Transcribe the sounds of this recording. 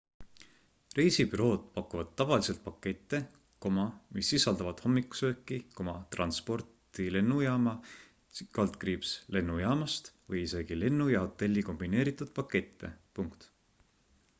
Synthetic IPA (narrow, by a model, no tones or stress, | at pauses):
rejsibyɾo̞ːd̪̥pɑkːˑuvɑd̪̥̚t̪ːɑvɑlise̞lt̪̚pɑkːe̞t̪ˑːe̞ | ko̞mɑmisːisɑld̪ɑvɑd̪̥ho̞mːikːu̥sø̞ːkːiko̞mɑt̪rɑ̰nspo̞rt̪ile̞nːujɑːmɑ | kɑlt̪kriːbsle̞nːujɑːmɑst̪vɤjise̞ɡ̥ile̞nːujɑho̞t̪ːˑe̞lʲːiko̞mb̥ine̞ːɾit̪ːˑud̪̥pɑkːe̞t̪ːe̞̰puŋkt̪